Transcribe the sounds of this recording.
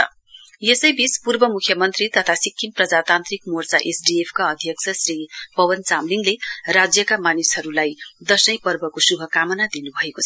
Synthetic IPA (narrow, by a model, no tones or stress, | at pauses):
jesʌjbispurbʌmukʰjʌmʌnt̪rit̪ʌt̪ʰasikʰːimprʌd͡zat̪ant̪rikmort͡saʔesɖiepʰkaʌd̪ʱjʌk̚t͡sʰʌsripʌwʌnt͡samliŋɡlerad͡zjʌkamanisɦʌɾulajd̪ʌsʌjpʌrbʌkosubʱʌkamʌnad̪inubʱʌekot͡sʰʌ